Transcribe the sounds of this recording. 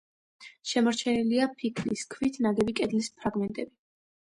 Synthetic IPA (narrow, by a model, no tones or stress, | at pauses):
ʃɛmɔɾt͡ʃʰɛniliapʰikʰliskʰvit̪ʰnaɡɛbikʼɛd̪lispʰɾaɡmɛnt̪ʼɛbi